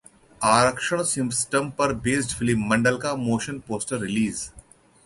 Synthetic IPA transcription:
aːɾəkʃəɽ̃sɪ̃msʈə̃mpɐɾbeːsʈfʰɪlɪmːɐ̃ɳɖəlkamoːʃə̃npoːsʈəɾːɪliːz

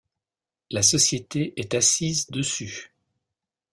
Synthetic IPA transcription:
lasɔsjet̪eʔɛt̪asizd̪əsy

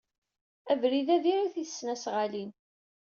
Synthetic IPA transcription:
ævɾiðæðiɾiθiθə̥sːnæsʁalin

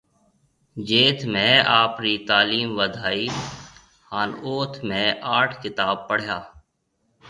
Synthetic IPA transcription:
d͡ʒeːt̪ʰmẽaːpɾiːt̪aːliːmʋəd̪ʱaːiː | haːnoːt̪ʰmẽːaːʈʰkɪt̪aːb̚pəɽ̤jaː

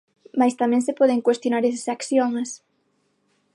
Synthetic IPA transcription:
majst̪amɛ̃ŋsepɔðeŋkwest̪jonaɾesḁsakθjoŋs

